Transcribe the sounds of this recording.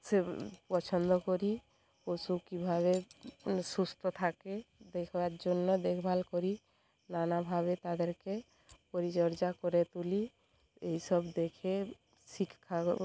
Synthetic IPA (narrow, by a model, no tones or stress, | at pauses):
sepɔt͡ʃʰənd̪ɔkɔɾi | kosukibʱaβe | sust̪ɔt̪ʰaked̪ekʰbad͡ʒonːɔd̪ekʰbʱalkɔɾi | nanabʱabet̪ad̪eɾke | pɔɾit͡ʃəɾd͡ʒakɔɾet̪uli | eɦisəbd̪ekʰe | sikʰkʰːa